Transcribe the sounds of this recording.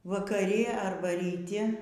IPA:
ʋɐkɐˈrʲɪ ɐrˈbɐ rʲiːˈtʲɪ

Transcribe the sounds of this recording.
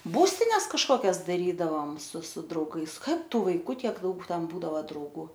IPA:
ˈbuːsʲtʲɪnʲɛs kɐʃkoːˈkʲɛs dɐˈrʲiːdɐʋoːm sʊ sʊ drɐʊˈɡɐɪs ˈkɐt ˈtuː ʋɐɪˈkuː ˈtʲiɛk ˈdɐʊk ˈtʲɛn ˈbuːdɐʋɐ drɐʊˈɡuː

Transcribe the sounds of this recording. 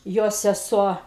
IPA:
ˈjoː sʲɛˈsuɔ

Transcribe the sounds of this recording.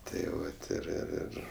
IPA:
tɐɪ ˈʋɐt ɪr ɪr ˈɪr

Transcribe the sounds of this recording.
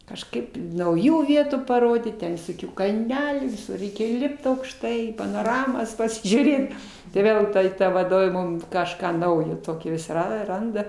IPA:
kɐʃˈkɐɪp nɐʊˈjuː ˈʋʲiɛtuː pɐˈroːdʲiːt ˈtʲɛn ʋʲɪsoːˈkʲuː kɐlʲˈnʲæːlʲuː ʋʲɪˈsʊr ˈrʲɛɪkʲɛ ˈlʲɪpt ɐʊkʃˈtɐɪ pɐnoːˈrɑːmoːs pɐsʲɪʒʲuːˈrʲeːt tɐɪ ˈʋʲeːlˠ ˈtuɔj ˈtɐ ʋɐˈdoːʋʲeː ˈmʊm kɐʃˈkɑː ˈnɐʊjoː ˈtoːkʲoː ʋʲɪs ˈrɐ ˈrɐndɐ

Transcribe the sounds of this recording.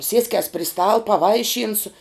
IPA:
ˈsʲiɛsʲkʲɛs pʲrʲɪ stɐlˠ pɐˈʋɐɪʃʲiːnsʊ

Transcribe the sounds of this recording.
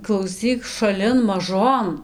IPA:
klˠɐʊˈsʲiːk ʃɐˈlʲɪn mɐˈʒoːn

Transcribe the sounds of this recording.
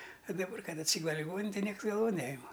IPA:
ɐ dɐˈbɐr ˈkɐt ɐtʲˈsʲiːɡʊlʲɛ lʲɪˈɡoːnʲɪnʲɛn tɐɪ ˈnʲiɛks ɡɐlˠˈʋoːn ˈnʲæːjɪmɐ

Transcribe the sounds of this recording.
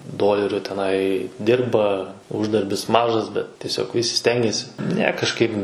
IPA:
ˈdoːlʲɛrʲʊ tʲɛˈnɐɪ ˈdʲɪrbɐ ˈʊʒdɐrʲbʲɪs ˈmɑːʒɐs bʲɛt tʲiɛˈsʲoːk ˈʋʲɪsʲɪ ˈsʲtʲɛŋʲɡʲɛsʲɪ nʲɛ kɐʃˈkɐɪp

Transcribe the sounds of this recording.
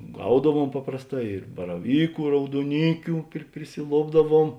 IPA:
ˈɡɐʊdɐˌʋuɔm pɐprɐsˌtɑː ɪr bɐrɐˈʋʲiːkʊ ɪ rɐʊduɔˈnʲiːkʲʊ pʲrʲɪ pʲrʲɪsʲɪˈlˠoːbdɐˌʋuɔm

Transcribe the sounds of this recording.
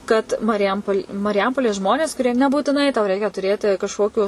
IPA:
kɐt mɐrʲɪˈjɛmpoːlʲ mɐrʲɪˈjɛmpoːlʲeːs ˈʒmoːnʲeːs kʊˈrʲiɛ nʲɛbuːtʲɪˈnɐɪ tɐʊ ˈrʲɛɪkʲɛ tʊˈrʲeːtʲɪ kɐʃˈkoːkʲʊ

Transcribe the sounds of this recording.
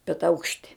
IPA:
bʲɛt ˈɐʊkʃʲtʲɪ

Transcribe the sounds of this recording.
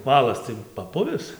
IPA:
ˈʋɑːlˠɐs tɐɪ pɐˈpʊʋʲɪs

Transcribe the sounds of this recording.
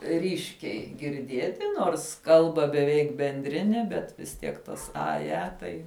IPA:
ˈrʲiːʃʲkʲɛɪ ɡʲɪrʲˈdʲiɛtʲɪ ˈnoːrs ˈkɐlˠbɐ bʲɛˈʋʲɛɪk bʲɛnʲˈdʲrʲɪnʲɛ bʲɛt ʋʲɪs ˈtʲiɛk tɐs ˈɐ ˈjɛ ˈtɐɪ

